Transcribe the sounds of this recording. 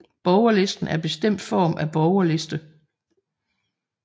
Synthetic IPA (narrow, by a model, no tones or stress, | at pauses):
b̥ɒʊɐle̝sd̥n̩ʔæɐb̥e̝sd̥em̰d̥fɒ̰ːmʔæb̥ɒʊɐle̝sd̥ə